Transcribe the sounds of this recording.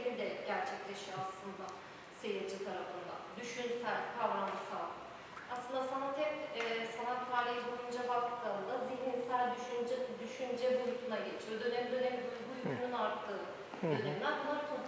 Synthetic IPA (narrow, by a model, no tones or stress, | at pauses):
lʲid̪ɛɟæɾt͡ʃʰɛc̚t̪ʰe̞ʃiaslˠɯnd̪a | se̞jiɾd͡ʒʰit̪ʰaɾafɯnd̪a̰d̪yʃynsælʲkʰavɾand͡ʒɯsalˠ | aslˠɯnd̪asanat̪ʰɛpɛsanˠat̪ːʰaːɾiɦibojund͡ʒabakt̪ʰɯːnd̪aziɦninsælʲd̪yʃynd͡ʒd̪yʃynd͡ʒɛboɾut̪ʰunaɟet͡ʃʰijod̪ø̞nɛmd̪ø̞nɛmbubujkʰununaɾt̪ʰːɯː | d̪ø̞nɛminʲænmˠaɾk̪ʰo